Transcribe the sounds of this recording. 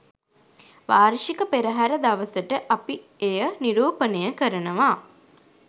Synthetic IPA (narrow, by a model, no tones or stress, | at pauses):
ʋaːɾʂikəpeɾəɦæɾəd̪aʋəsəʈəʔapi | ejəniɾuːpənejəkəɾənəʋa